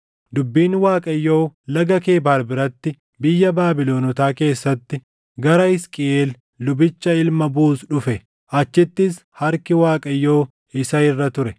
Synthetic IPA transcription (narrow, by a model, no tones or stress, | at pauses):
d̪ʊbːiːnwaːkʼɐjːo̞ːlɐɡɐke̞ːbaːɾbɪɾɐt̪ːɪ | bɪjːɐbaːbɪlo̞ːnɔt̪aːke̞ːsːɐt̪ːɪ | ɡɐɾɐɪskʼɪeːlː | ʊbɪt͡ʃːɐɪlmɐbuːsᶑʊfɛ | ʔɐt͡ʃːɪt̪ːɪs | hɐɾkɪwaːkʼɐjːo̞ː | ɪsɐɪrːɐt̪ʊɾɛ